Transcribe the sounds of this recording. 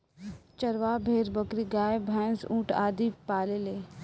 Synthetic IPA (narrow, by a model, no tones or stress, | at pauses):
t͡ʃɐɾʋaːbʱeːɾbɐkɾiɡaːebʱɛːnsũːʈʰa̰ːd̪ipaːleleː